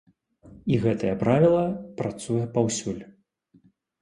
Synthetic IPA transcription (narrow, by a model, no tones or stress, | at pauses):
iɣɛt̪ɐjɐpɾavʲilˠɐpɾat̪sujɛpawsʲulʲ